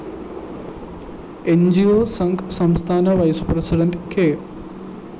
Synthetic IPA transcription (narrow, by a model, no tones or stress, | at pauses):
end͡ʒioːsɐŋksɐmst̪ʰaːnɐʋɐjspɾesiɖeɳʈkʰeː